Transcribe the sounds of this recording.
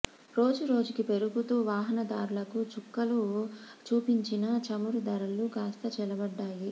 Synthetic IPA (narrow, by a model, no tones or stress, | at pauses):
ɾo̞ːd͡ʒuɾo̞ːd͡ʒukipe̞ɾuɡut̪uːʋaːɦɐnɐd̪aːɾulɐkut͡ʃukːɐlut͡ʃuːpiɲt͡ʃinɐt͡ʃɐmuɾud̪ɐɾɐlukaːst̪ɐt͡ʃɛlɐbɐɖːaːji